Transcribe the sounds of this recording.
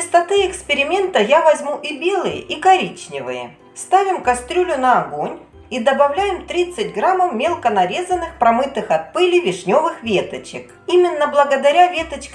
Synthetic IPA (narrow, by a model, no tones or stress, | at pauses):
t͡ɕɪst̪ɐt̪ɨɪkspʲɪɾʲɪmʲe̞nt̪əjavɐzʲmuʔibʲe̞lˠɨjə̰ʔikɐɾʲit͡ɕnʲɪvɨ̰jə̰ | st̪avʲɪmkɐst̪ɾʲulʲʊnɐːɡonʲ | id̪əbɐvlʲæjɪmt̪ɾʲit̪sɨt̚ʲɡɾamːəwmʲelˠkənɐɾʲe̞zənːɨxpɾɐmɨt̪ɨxɐt̪̚pɨlʲɪjvʲɪʂnʲo̞vɨxvʲe̞t̪ət͡ɕɪk | imʲɪnːəblˠəɡəd̪ɐɾʲavʲe̞t̪ət͡ɕk